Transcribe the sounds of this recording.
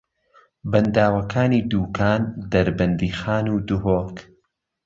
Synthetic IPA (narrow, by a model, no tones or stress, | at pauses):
bɨnd̪aːwɐkʰaːniːd̪uːkʰaːnd̪ɐɾbɨnd̪iːxaːnuːd̪uɦoːk